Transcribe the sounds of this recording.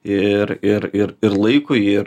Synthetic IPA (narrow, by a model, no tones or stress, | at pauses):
ɪɾɪɾɪɾɪɾlˠɐɪkʊjɪ